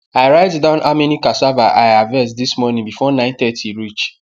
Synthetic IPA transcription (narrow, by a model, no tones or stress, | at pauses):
aɪɹaɪtdãʊ̃nʔaminikasavaʔaɪavɛsdismɔnĩŋbifɔnãɪ̃nθɛtʰiɹit͡ʃ